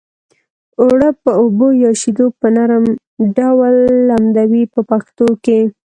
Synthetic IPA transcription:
oɽəpəobojɑʃid̪opənaɾəm | ɖawlːamd̪awipəpaxt̪oke

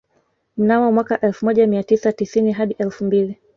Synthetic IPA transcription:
m̩nawɔmwakaʔɛlfumɔʄamiatisatisiniɦaɗiʔɛlfumbili

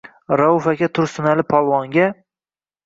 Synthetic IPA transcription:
ɾafakʲat̪ʰʊɾsʊnalɪpʰɒlˠwɒŋɡʲa

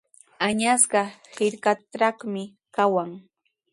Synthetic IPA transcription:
aɲasɢɑhɪɾkat̪ɾaχmɪ | kawaŋ

